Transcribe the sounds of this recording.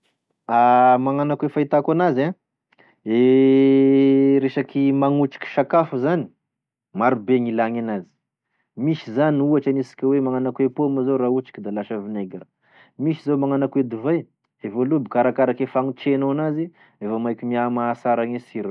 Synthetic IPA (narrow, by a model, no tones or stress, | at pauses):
amaŋanakwefait̪akanaza | e | ɾeʃakimaŋut͡ʃi̥kʲi̥ʃakafuzani̥ | maɾubeŋilaŋanazi̥ | miʃizaniuaʈ͡ʂanisi̥kʲawemaŋanakwepomazoɾaut͡ʃi̥kʲid̪alaʃavineɡaɾə | miʃizomaŋanakwed̪uvaj | evolubikaɾakaɾakefaŋit͡ʃenoanazi | efamajkʲimiamasaɾaŋesiɾ